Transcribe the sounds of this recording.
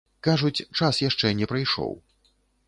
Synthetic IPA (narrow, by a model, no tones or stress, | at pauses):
kaʐut͡sʲt͡ʂasjaʂt͡ʂɛnʲɛpɾɐjʂɔ̰w